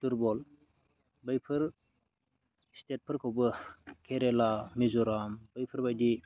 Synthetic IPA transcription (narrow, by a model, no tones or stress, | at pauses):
tuɾbɔl | bɯjpʰɯɾ | stʰet̚pʰɯɾkʰɯwbɯkʰeɾelamizɔɾamb̥ɯjpʰɯɾbajdi